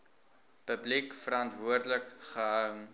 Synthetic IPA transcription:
pəblikfəɾɑntvuərdələkχəɦəwŋ

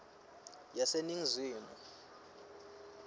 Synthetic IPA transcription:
jaseniŋziːmɔ

